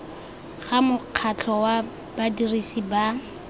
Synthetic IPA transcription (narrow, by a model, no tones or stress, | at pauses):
χamʊq͡χʰat͡ɬʰɔwa | b̥adirisiba